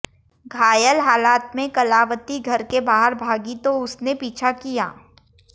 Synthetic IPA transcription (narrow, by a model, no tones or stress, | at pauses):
ɡʱaːjəlɦaːlaːt̪mẽkɐlaːʋət̪iɡʱɐɾkebaːɦəɾbʱaːɡit̪oʊsnepiːt͡ʃʰakija̰ː